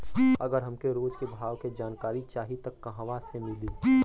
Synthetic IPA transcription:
ɐɡəɾɦɐmkeɾoːd͡ʒkebʱaːʋked͡ʒaːnkaːɾit͡ʃaːɦit̪ɐkːɐɦʋasemɪli

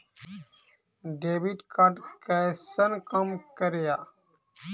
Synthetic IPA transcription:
ɖeːbiʈkaʈkɛsənkəmkəɾejaː

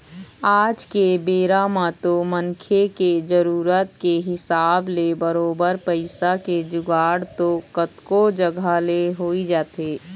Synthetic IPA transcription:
aːd͡ʒkebeːɾaːmãt̪omənkʰeked͡ʒəɾuːɾət̪keɦɪsaːblebəɾoːbəɾpəɪsaked͡ʒʊɡaːɽt̪okət̪kod͡ʒɐɡʱaleɦoːid͡ʒaːt̪eː

